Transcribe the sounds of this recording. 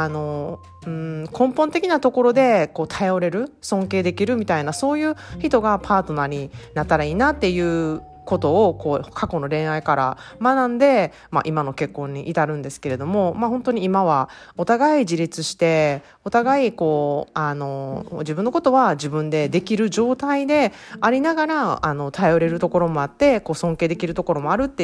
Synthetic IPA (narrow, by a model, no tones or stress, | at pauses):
ano̞ | ɯ̟̃kʰõ̞mpõ̞nt̪e̞kʲinat̪o̞ko̞ɾo̞d̪e̞ko̞ːt̪ʰajo̞ɾe̞ɾɯ̟sõ̞ŋke̞ːd̪e̞kʲiɾɯ̟mʲit̪ainaso̞ːjɯ̟ːçit̪o̞ɡapʰaːt̪o̞naɲ̟inat̪ːaɾaiːnat̪ːe̞jɯ̟ː | ko̞t̪o̞ːko̞ːkʰako̞no̞ɾẽ̞ɰ̃aikaɾa̰ | manãnd̪e̞ | ma̰ʔimano̞ke̞kːõ̞ɲ̟ːiʔit̪aɾɯ̟̃nd̪e̞sɨ̥ke̞ɾe̞d̪o̞mo̞maɦõ̞nt̪o̞ɲ̟iːmaβ̞a | o̞t̪aɡaid͡ʑiɾʲit͡sɨɕi̥t̪e̞ | o̞t̪aɡaiko̞ːano̞d͡ʑibɯ̟̃nːo̞kot̪o̞βad͡ʑibɯ̟̃nd̪e̞d̪e̞kʲiɾɯ̟d͡ʑo̞ːt̪aid̪e̞aɾʲinaɡaɾaano̞t̪ʰajo̞ɾe̞ɾɯ̟t̪o̞ko̞ɾo̞mo̞at̪ːe̞ko̞ːsõ̞ŋkeːd̪e̞kʲiɾɯ̟t̪o̞ko̞ɾo̞mo̞aɾɯ̟t̪ːe